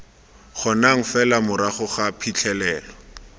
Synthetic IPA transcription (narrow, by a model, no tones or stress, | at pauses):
χɔnaŋ̩fɛlamʊɾaχʊχapʰit͡ɬʰɛlɛːlɔ